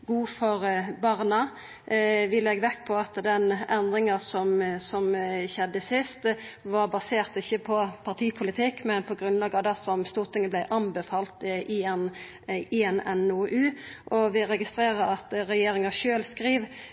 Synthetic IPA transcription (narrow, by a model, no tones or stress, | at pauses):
ɡuːfɔɾbɑʁnɑ | ʋɪlɛɡʋɛkːpʰɔɑt̪d̪ɛnɛnd̪ɾɪŋɑsɔmsɔmçɛd̪ːəsɪst̪ʋɑɾbɑseːʁt̪ɪçːəpʰɔpʰɑʁt̪ʰiːpʰʊlɪt̪ʰɪkmɛnpʰɔɡɾʉnlɑːɡɑd̪ɑsɔmst̪uːʁt̪ʰɪŋəblæɪʔɑnbəfɑːlt̪ɪn | ɪɛnɛnoːʔʉːʔɔʋɪɾɛɡɪst̪ɾeːɾəɾɑt̪ɾɛjeːɾɪŋɑʃøːlskɾiːʋ